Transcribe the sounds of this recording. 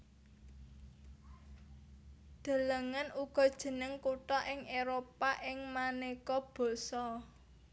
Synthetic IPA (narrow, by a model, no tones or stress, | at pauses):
d̪̥a̤ləŋanuɡ̥ɔ̤d̥ʒ̥ə̤nəŋkuʈɔʔɪŋeɾopaʔɪŋmanekɔb̥ɔ̤sɔ